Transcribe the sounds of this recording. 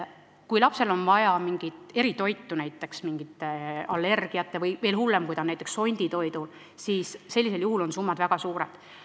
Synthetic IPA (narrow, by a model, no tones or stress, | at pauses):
kujlɑpse̞lo̞nvɑjɑmiŋɡ̥it̪e̞ɾit̪o̞jt̪ːunæjt̪ːˑe̞ksmiŋɡ̥it̪ːˑeɑ̰lːe̞rɡ̥iɑt̪ːe̞vɯjve̞ːlhulːe̞mkujd̪ɑnæjt̪ːˑeksːo̞nʲd̪̥it̪o̞jd̪ul | siːsːe̞lːise̞ljuɦulo̞nsumːɑd̪væɡ̥ɑsuːɾḛd̪̥